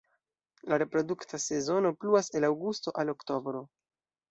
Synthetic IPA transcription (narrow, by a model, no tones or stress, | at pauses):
laɾe̞pɾo̞duktase̞zo̞no̞pluase̞lawɡusto̞ʔalo̞kto̞bɾo̞